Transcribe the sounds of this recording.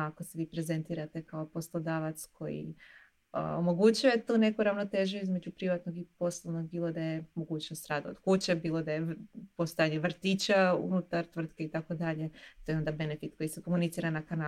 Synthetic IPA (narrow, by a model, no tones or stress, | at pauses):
akose̞ʋiːpɾe̞ze̞nt̪iːɾat̪e̞kaopo̞slˠod̪aːʋat̪skʰo̞jḭ | omo̞ɡut͡ɕujet̪uːne̞kuɾaʋnot̪e̞ːʒuizme̞d͡ʑupɾiʋat̪no̞ɡipo̞slˠoʋno̞ɡ̚biːlˠo̞d̪ajemo̞ɡuːt͡ɕnost̪ɾaːd̪aod̪̥kut͡ɕe̞biːlˠo̞d̪ajepo̞st̪ojaɲeʋr̩t̪it͡ɕaṵnut̪aɾt̪ʋr̩t̪ke̞it̪ako̞d̪aʎe̞t̪o̞jo̞nd̪abe̞nefit̪ko̞jisekomunit̪siːɾanakana